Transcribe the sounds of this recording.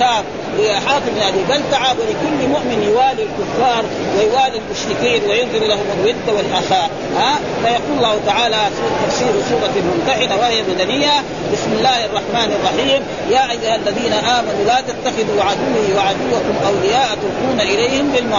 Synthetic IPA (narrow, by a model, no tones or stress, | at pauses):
aːb̚ | lɪʔaħɑːt̪ˤɨbnʔabiːbalt̪aʕabwɪlɪkʊlːmʊʔmɪnjʊwaːlialkʊfːɑːɾˤ | wajwaːlilmʊʃt̪ɪqiːnwajʊnd̪ˤɨɾlahʊmalwɪd̪ːawalʔaxaːʔ | haː | fajɑquːllːaːhut̪aʕaːlasuːt̪ːafsiːɾsuːɾˤɑmʊnt̪aħɪd̪awahɪjamad̪anɪjːa | bɪsmɪlːaːhʔɑrˤːɑħmaːnɑrˤːɑħiːm | jaːʔajːʊhalːaðiːnaʔaːmanulaːt̪at̪ːaxɪðuʕad̪uwːɪhiwaʕad̪uwːakʊmʔawlɪjaːʔt̪ʊlq̪uːnaʔɪlejhɪmlɪlma